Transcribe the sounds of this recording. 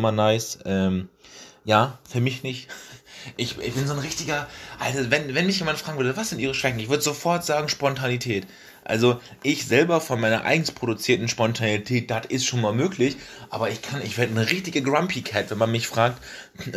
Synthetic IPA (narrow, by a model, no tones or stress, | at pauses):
manaɪsʔɛːmjaːfyːɐmɪçnɪçtʔɪçʔɪçb̥ɪnzoːnʁɪçtɪɡɐʔa̰ltavɛnvɛnmɪçjeːmantfʁ̥aːɡŋvʏɐdəvasz̥ɪntʔiːʁ̞əʃv̥ɛçn̩ɪçv̥ʏɐdəzofɔɐtz̥aːɡŋ̩ʃpɔntʰanitʰɛːt | ʔa̰lzoʔɪçz̥ɛlbɐfɔnmaɪnɐ̰ʔa̰ɪɡŋ̩spʁ̥oɾut͡siːɐtn̩ʃpɔntʰanitʰɛːt̚d̥atɪstʃoːnmaːlmøːklɪçʔa̰ːbɐɪçkʰanɪçv̥ɛːɐdənəʁɪçtɪɡəɡʁampʰikʰɛtvɛnmanmɪçfʁ̥aːk̚t